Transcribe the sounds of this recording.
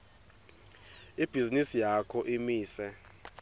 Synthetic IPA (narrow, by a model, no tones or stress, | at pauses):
ib̥ʱizinisijakʰɔʔimiːsɛ